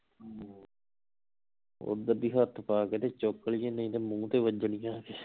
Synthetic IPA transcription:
o̰d̪əb̪iːɦət̪ʰːpaːkeːt̪eːt͡ʃokːəlijẽːnə̃ĩːt̪eːmũːt̪eːʋəd͡ʒəɳijãːkeː

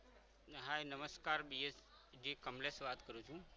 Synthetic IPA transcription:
ɦaːjnɐməskaːɾbiːes | d͡ʒiːkɐmleseʋaːt̪kəɾũt͡ʃʰũ

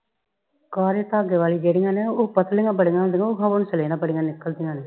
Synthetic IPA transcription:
kaːɾeːt̪aːɡeːʋaːliːd͡ʒeːɽɪŋãːneːopət̪lɪŋãːbəɽɪŋãːd̪ɪŋɡãʊkʰãːʋʊnt͡ʃəleːnãːbəɽɪŋɡãːnɪkːəld̪ɪŋɡãːneː

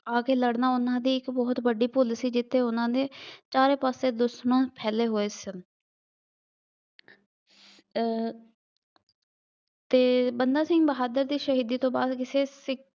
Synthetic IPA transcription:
aːkeːləɽnaːʊnãːd̪iːɪkbɔːt̪bəɖiːpʊlsiːd͡ʒɪt̪ʰːeːʊnãːd̪eːt͡ʃaːɾeːpaːseːd̪ʊsnõːpʰɛːleːɦoːeːsɪn | t̪eːbənd̪aːsɪ̃ŋɡbəɦaːd̪əɾd̪iːʃəɦiːd̪iːt̪õːbaːd̪kɪseːsɪk

